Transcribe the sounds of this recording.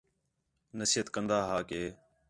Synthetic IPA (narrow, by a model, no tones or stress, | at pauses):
nəsiːət̪kənd̪aːɦaːkeː